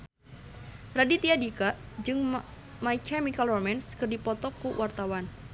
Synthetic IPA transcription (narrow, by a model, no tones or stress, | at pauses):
radit̪iadikad͡ʒɨŋ | maikʰamikalɔmɛnskɨrdipɔt̪ɔkuwʔart̪awan